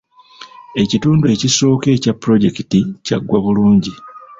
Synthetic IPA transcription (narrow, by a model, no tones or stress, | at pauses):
e̞cituːndue̞ciso̞ːke̞ːcapːɾo̞ɟe̞kitica̰ɡːwaβuluːɲɟi